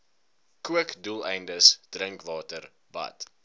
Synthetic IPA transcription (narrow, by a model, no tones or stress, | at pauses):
kuəkdulˠɛjndəsd̥rəŋklɑːtər | bɐ̰t